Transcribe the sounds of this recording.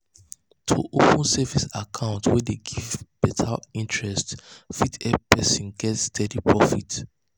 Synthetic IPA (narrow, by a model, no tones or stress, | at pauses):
tʰuʔopə̃nsɛvisakʰãʊ̃ntwɛdeɡivb̥ɛtʰa̰ĩntɹɛstfitɛpɛsɔ̃nɡɛtstʰɛdipʰɹɔfit